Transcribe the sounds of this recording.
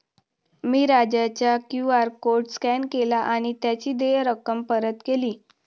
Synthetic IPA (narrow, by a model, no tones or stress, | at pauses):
miːɾad͡ʑat͡ɕjakjuaɾkoɾʈskɛnkelaʔaɽ̃it̪jat͡ɕiːd̪ejɾəkəmpəɾət̪keliː